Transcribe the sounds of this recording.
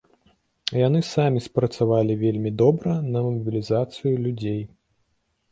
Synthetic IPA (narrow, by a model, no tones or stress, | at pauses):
janɨsamʲispɾɐt̪savalʲivʲelʲmʲid̪ɔbɾɐnɐmɐɐbʲilʲizat̪sɨjulʲud͡zʲej